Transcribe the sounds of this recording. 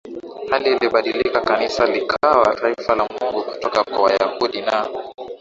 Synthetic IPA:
haliːliɓaɗilikakanisalikʰawataifalamuŋɡuku̥tɔkakwawajahuɗina

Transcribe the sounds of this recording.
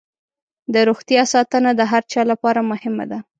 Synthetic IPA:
d̪əɾoxt̪jɑsɑt̪ənad̪əɦaɾt͡ʃɑlapɑɾamʊhɪma̰d̪a

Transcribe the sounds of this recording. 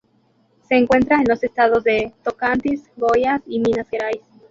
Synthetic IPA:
se̞ːŋkwe̞nt̪ɾaenlo̞se̞st̪að̞o̞zðe̞t̪okant̪isɡojasiminaseɾajs

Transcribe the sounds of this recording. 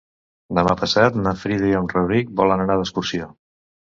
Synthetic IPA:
d̪əmapəsat̪nəfɾiðiomrəβɾik̚bɔlənənaðəskuɾsio

